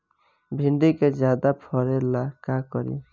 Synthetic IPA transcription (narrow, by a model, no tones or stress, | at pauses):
bʱiɳɖiked͡ʒjad̪apʰɔɾelakakɔɾḭ